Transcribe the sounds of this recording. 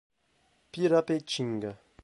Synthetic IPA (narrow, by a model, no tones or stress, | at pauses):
piɾapet͡ʃiŋɡa